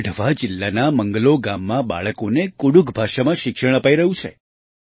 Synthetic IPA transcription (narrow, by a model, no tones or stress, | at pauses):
ɖʱʋad͡ʒɪlːanaməŋɡəloɡamːãba̰ɭəkonekuɽukbʱaʃamãʃɪkʃəɽ̃əpaiɾəɦũt͡ʃʰḛ